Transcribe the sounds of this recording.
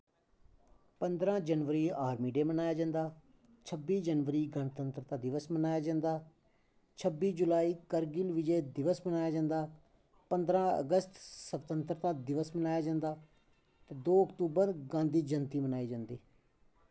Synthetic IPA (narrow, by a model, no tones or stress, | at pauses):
pənd̪ɾãːd͡ʒənʋəɾiːaːɾmiːɖeːmənaːjaːd͡ʒãːnd̪aː | t͡ʃʰəbiːd͡ʒənʋəɾiːɡəɳt̪ənt̪ɾt̪ãːd̪ɪʋəsmənaːjaːd͡ʒãːnd̪aː | t͡ʃʰəbːiːd͡ʒʊlaːiːkəɾɡɪlʋɪd͡ʒeːd̪ɪʋəsmənaːjaːd͡ʒãːnd̪aː | pə̃nd̪ɾãːə̰ɡəst̪səbt̪ənt̪ɾət̪ãːd̪ɪʋəsmənaːjaːd͡ʒãːnd̪aː | t̪eːd̪oːəkt̪uːbəɾɡãːnd̪iːd͡ʒənt̪iːmənaːiːd͡ʒãːnd̪iː